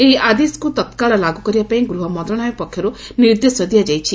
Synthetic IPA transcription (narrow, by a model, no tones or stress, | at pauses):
eɦiad̪esɔ̥kut̪ɔt̪kaɭɔlaɡukɔɾibapaĩɡɾuɦɔmɔnd̪ɾɔɽ̃ajɔpɔkʰːjɔɾuniɾd̪esɔd̪ʱijad͡ʒajt͡ʃʰi